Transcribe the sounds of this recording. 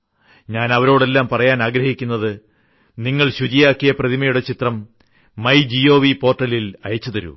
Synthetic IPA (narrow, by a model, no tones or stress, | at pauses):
ɲaːnɐʋɐɾo̞ːɽe̞lːaːmpɐrɐjaːnaːɡɾɐhikʲːunːɐðɨ | niŋːɐɭɕut͡ɕijaːkːijɐprɐðimɐjuɽe̞t͡ɕit̪rɐmː | ɐjd͡ʑijo̞ːʋipo̞ːrʈːɐlːilɐjɐt͡ɕːut̪ɐɾṵ